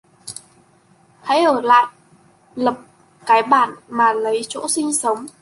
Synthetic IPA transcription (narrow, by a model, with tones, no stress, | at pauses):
ha̰˧˥jʔəː˧˩la̰ː˧˨j | lə˨˩p̚ | kaː˨˦jɓaː˧˩nmaː˨˩lə˨˦jt͡ɕo̰˧˥sï˧ŋ̟sə˨˦wŋ͡m